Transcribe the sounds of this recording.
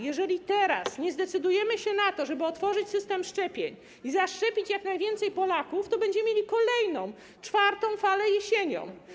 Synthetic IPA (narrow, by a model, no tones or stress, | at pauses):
jɛʐɛlʲit̪ɛɾa̰sɲɛzd̪ɛt̪sɘd̪ujɛmɘɕɛnat̪ɔʐɛbɘɔt̪fɔʐɘt͡ɕsɘst̪ɛmʂt͡ʂɛpʲjeɲ | izaʂt͡ʂɛpʲit͡ɕjaknajvʲjɛnt̪sɛjpɔlakuft̪ɔbɛɲd͡ʑɛmmʲjelʲikɔlɛjnɔ̃w̃ | t͡ʂfaɾt̪ɔ̃w̃falɛjɛɕeɲɔ̰̃m